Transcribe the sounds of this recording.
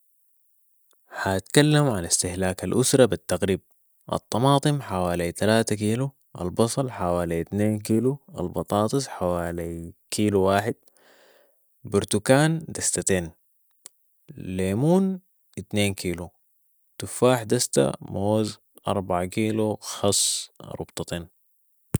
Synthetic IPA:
hat̪kalːamʕalist̪ɪhlaːkalʔusɾˤɑbit̪ːaɣɾiːb̚ | ʔɑ̰t̪ˤːɑmɑːt̪ˤɨmħawaːlit̪alaːt̪akiːlu | ʔa̰lbɑsˤɑlħawaːlit̪neːnk̬iːlua̰lbɑt̪ˤɑːt̪ˤɨsħawaːlikʰiːluwaːħɪd̪̥̚ | bʊɾt̪ukaːnd̪ast̪at̪eːn | leːmuːn | it̪neːnkʰiːlu | t̪ufaːħd̪ast̪a̰moːz | ʔɑ̰ɾˤbaʕakiːluxɑsˤːɾṵbt̪ˤɑt̪eːn

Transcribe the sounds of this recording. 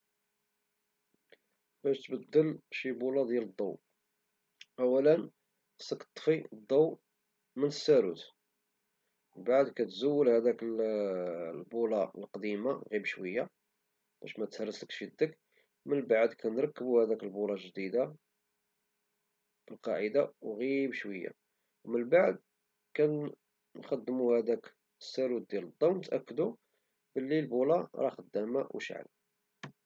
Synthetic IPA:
bæʃt̪bəd̪ːəlʃibulɑd̪jæləd̪ˤːɑ̰w | ʔæwːælən | sˤəkt̪ˤːfid̪ˤːɑw | mənəsːæɾṵt̪ | baʕd̪kæt̪zuwːəlhæd̪ækəl | lbulɑə̰lqd̪imaɣibʃwəjːa | b̥æ̰ʃmæt̪hərːəsləkʃid̪ək | mənbaʕd̪kʰænɾˤɑkːəbuhæd̪ækəlbulɑlʒd̪id̪a | b̥əlqɑʕəd̪awɣibʃwəjːa̰ | wmənbaʕd̪̚ | kæn | nxɑd̪ːmuhæd̪æk | əsːæɾud̪̚d̪jæləd̪ˤːɑwnt̪ʔækːəd̪u | b̥əlːilbulɑɾˤɑxəd̪ːæmæwʃə̰ʕlæ̰

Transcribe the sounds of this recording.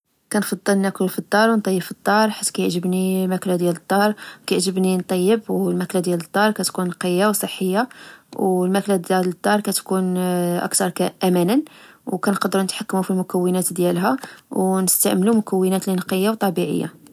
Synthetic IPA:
kænfɑd̪ˤːəlnæklfid̪ˤːɑɾwnt̪ˤɑjːəbfid̪ˤːɑɾˤħi̥t̪ːkæjəʕʒəbnimæklæd̪jælət̪ˤːɑɾˤkæjʕʒəbnint̪ˤɑjːəbwlmæklad̪jæləd̪ˤːɑɾˤkæt̪kunqəjːawsˤəħːəjːawlmæklæd̪jæləd̪ˤːɑɾˤkæt̪kunʔə̰kt̪ɑɾˤkæʔæmænənwkænqɑd̪ɾunət̪ħakːmufilmʊkæwːənæt̪d̪jælɦæwnəst̪aʕməlumʊkæwːənæt̪linqəjːawt̪ˤɑbiʕə̰jːa̰

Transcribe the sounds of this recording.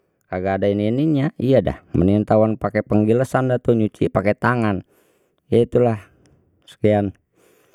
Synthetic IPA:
kaɡaːdaininiɲaijada̰hmənint̪awanpakɛpəŋɡiləsandat̪oɲut͡ʃḭpakɛt̪aŋan | jait̪ulah | sə̥kian

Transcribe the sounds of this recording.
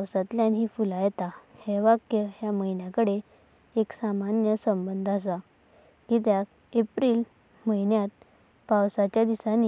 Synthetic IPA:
awsat̪ljanɦiːfulajet̪aheʋakjəɦjaməjnjakəɽe | eksamanjəsəmbənd̪ʱas̬a | kit̪ja | epɾiːl | məinjat̪̚ | pawsat͡ɕjad̪isani

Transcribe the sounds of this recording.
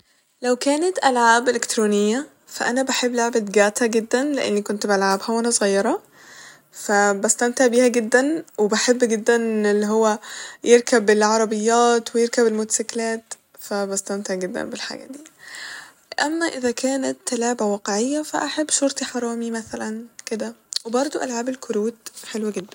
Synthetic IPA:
læwkæːnat̪ʔælʕaːbʔelɪk̚t̪ɾuːnɪjːa | fæʔænæbaħebːloʕbat̪ɡæʕt̪hæɡɪd̪ːænleʔḛnːikont̪bʔalʕabhæwʔænæsˤɣɑjːɑɾˤɑ | fæbæst̪æmt̪eʕbiːhæɡɪd̪ːænwebaħebːɡed̪ːænʔnelːiɦowːæjeɾkæbɪlʕɑɾˤɑbɪjːæːt̪wejeɾkæbelmʊt̪æsæklæːt̪ | fæbæst̪æmt̪eʕɡed̪ːæ̰nbelħa̰ːɡæ̰d̪iː | ʔæmːæʔɪðækæːnæt̪ːælæːbæwɑːqeʕejːæfæ̰ʔaħebːʃoɾt̪iħɑɾˤɑːmimæθælænked̪æwebɑɾˤd̪ˤoʔælʕaːbelkʰʊɾuːd̪ħelwæɡed̪ːæn

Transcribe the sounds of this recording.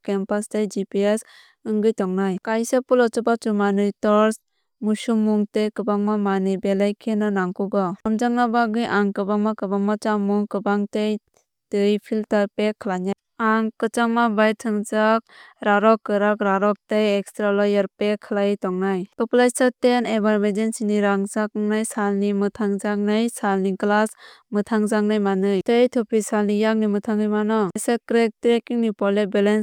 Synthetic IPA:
kempastejd͡ʒipies | ɯŋɡɯjtɔŋnajkajsapulɔt͡ʃɔbat͡ʃumanɯjtɔɾs | musumːuŋtejkɯbaŋmamanɯjbelajkʰenɯnaŋkuɡɔamd͡ʒaŋnabaɡɯjʔaŋkɯbaŋmakɯbaŋmat͡ʃamuŋkɯbaŋtej | tɯjpʰiltaɾpekʰəlaɲaj | aŋkɯt͡ʃaŋmabajtʰɯŋd͡ʒak̚ɾaɾɔkːɯɾakɾaɾɔk̚tejɛkstɾalɔjaɾpekʰːɯlajtɔŋnajtɔplajsatenebaɾbedensiniɾaŋzakŋnajsalnimɯtʰaŋzaŋnɯjsalniŋklas | mɯtʰaŋzaŋnajmanɯjtejtʰɔpʰisalnijaŋ̚nimɯtʰaŋɯjmanɔsakɾek̚tɾekiŋnipɔlebɛlens

